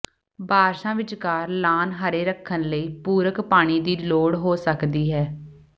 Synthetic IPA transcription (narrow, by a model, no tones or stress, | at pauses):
baːɾʃãːʋɪt͡ʃkaːɾlaːnɦəɾeːɾəkʰːənləiːpuːɾəkpaːɽ̃iːd̪iːloːɽɦoːsəkd̪iːɦɛː